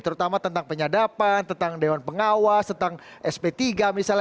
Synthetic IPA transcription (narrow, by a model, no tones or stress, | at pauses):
t̪əɾut̪amat̪ənt̪aŋpəɲadapant̪ənt̪aŋdewanpəŋawast̪ənt̪aŋʔɛspet̪iɡamisal